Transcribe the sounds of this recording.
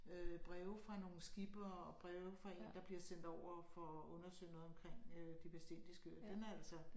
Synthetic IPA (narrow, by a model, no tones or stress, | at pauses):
øb̥ʁɛʊfʁɑ̈no̝ːn̩sɡ̥ib̥ɐːɒb̥ʁɛʊfʁɑ̈e̝̰ːnd̥ɑ̈b̥liɐsen̰d̥ɒʊ̰ɐfɒ̽ɔ̽nɐsø̰ːɪnɔːðˠɒ̽mkʰʁeŋ̰ød̥ipʰæsd̥en̰d̥isɡ̥ød̥enææl̰sɐ